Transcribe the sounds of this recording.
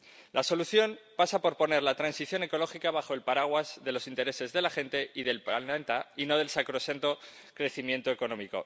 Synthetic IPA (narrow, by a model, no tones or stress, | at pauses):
laso̞luθjo̞mpasapo̞ɾpo̞ne̞ɾlat̪ɾansiθjo̞ne̞ko̞lo̞xikaβaxo̞e̞lpaɾaɣ̞wazðe̞lo̞sint̪e̞ɾe̞se̞zðe̞laxe̞nt̪e̞ʔiðe̞lpaent̪aino̞ð̞e̞lsakɾo̞sent̪o̞ | kɾe̞θimjẽ̞nt̪oe̞ko̞nõ̞miko̞̰